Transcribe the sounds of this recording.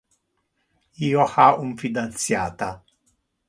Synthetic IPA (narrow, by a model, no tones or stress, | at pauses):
iːohauɱfid̪ant̪sja̰ːt̪a